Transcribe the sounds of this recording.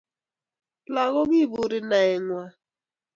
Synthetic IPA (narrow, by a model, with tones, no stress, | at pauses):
la˨ɣɔ˦ɡi˦˨bu˨ɾɪ˨na˨ɪ˨ŋʷa˦